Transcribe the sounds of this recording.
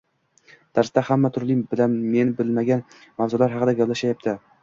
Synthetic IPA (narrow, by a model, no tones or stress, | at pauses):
d̪̥aɾsd̪ahamːat̪ʰʊɾlɪbɪlanme̞nɪbɪlmaɡʲan | mavzʊlaɾɦɑqɨd̪aɡʲablaʃajap̚t̪ʰɪ